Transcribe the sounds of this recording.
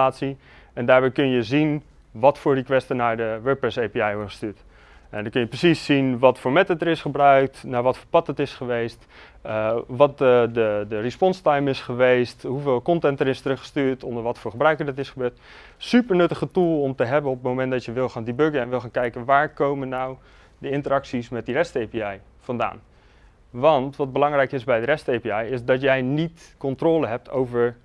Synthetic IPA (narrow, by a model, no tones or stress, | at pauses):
aːtsi | ɛndaːɹbɛjkɵnjəzin | ʋɑtfʊːɹdikʋɛstənaːɹdəʋɛːprɛsejpiɛjɔɹdχə̥styːt | ʔɛndɑkɵnjəprəsisːinʋɑtfʊːɹmɛtətəɾɪsχəbrœɥk̚tnaːɹʋɑtfʊːɹpɑt̚dətɪsχəʋejst | ʋɑt̚ədədərispɔnstajmɪsχəʋejstɦuveːlˠkɔntɛntəɾɪstərɵχə̥styːɹtɔndəɹʋɑtfʊːɹχəbrœɥkəɹdɑtɪsχəbøːɹt | sypəɹnɵtəχətulˠɔmtəɦɛbənɔpətmowmɛntdɑtjəʋɪlˠxaːndibøɡəɛnʋɪlˠxaːnkɛjkənʋaːɹkowmənːaw | dəɪntəɾɑksismɛt̚dirɛstejpiɛj | fɑnda̰ːn | ʋɑntʋɑd̚bəlɑŋrɛjkɪsbɛjdərɛstəejpiɛjɪsdɔtjɛjnitkɔntroːləɦɛp̚tʰo̰wvəɹ